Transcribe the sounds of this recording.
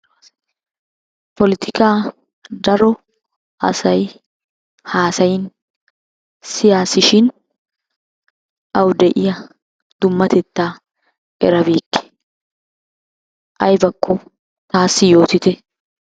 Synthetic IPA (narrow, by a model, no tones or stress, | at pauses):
pɔlɪt̪ʰɪkaː | d̪ɐɾɔ | ʔɐ̰sɐj | haːsɐjɪn | sɪjaːsɪʃɪn | ʔɐwd̪ɛʔɪjɐ | d̪̥ʊmːɐt̪ɛt̪ːaː | ʔɛɾɐbiːkːɛ̥ | ʔɐjbɐkʰːɔ | t̪aːsːɪjo̞ːt̪ɪt̪ɛ